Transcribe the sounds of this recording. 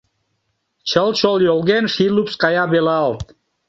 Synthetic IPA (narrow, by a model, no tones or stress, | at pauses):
t͡ʃʰəlˠt͡ʃolˠjolˠɣenʃilupskɑjɑbeleɑlˠt̪̚